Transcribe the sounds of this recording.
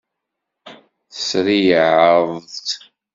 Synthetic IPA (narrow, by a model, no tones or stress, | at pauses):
θəsɾijʕəðˤt̪